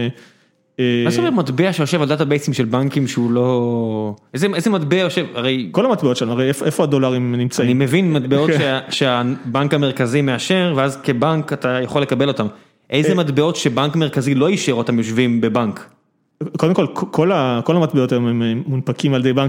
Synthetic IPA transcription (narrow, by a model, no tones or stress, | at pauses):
emazomematbeaʃejoʃe̞vald̪atabe̞jsimʃe̞lbaŋkimʃeulo̞ | ʔejzeejzemat̪beoʃevaʁe̞jko̞lamat̪beotʃeamaʁejefoʔefoado̞laʁimnimt͡saainime̞vinmat̚beo̞tʃeaʃeabaŋkame̞ʁ̞kazime̞aʃe̞ʁveazke̞baŋkat̪ajaχolːe̞kabe̞lo̞tam | ʔejzemat̪be̞o̞tʃebaŋkme̞ʁkazilo̞iʃeʁot̪amjoʃvimbe̞baŋk | kːod̪emkolkkʰolakolamat̪̚beot̪ajomemeːunpakimald̪ejbaŋk